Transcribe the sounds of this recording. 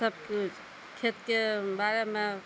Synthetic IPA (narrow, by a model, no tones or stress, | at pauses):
əb̚ke | kʰet̪kebaɾeme